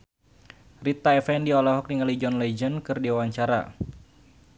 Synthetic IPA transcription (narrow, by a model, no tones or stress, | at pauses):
rit̪ːaɛfɛndiɔlɔɦɔk̚niŋalid͡ʒɔnlɛd͡ʒənkɨrdiawaɲt͡ʃaɾa̰